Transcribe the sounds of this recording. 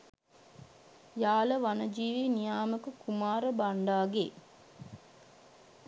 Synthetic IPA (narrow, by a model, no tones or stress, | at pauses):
jaːləʋanəd͡ʒiːʋinijaːməkəkumaːɾəbaɳɖaːɡeː